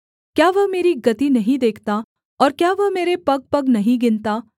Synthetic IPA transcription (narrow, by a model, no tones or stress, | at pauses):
kjaːʋɐmeːɾiɡɐt̪inɐɦĩd̪eːkʰt̪a | ɔːɾkjaːʋɐmeːɾepɐɡ̚pɐɡnɐɦĩɡɪnt̪aː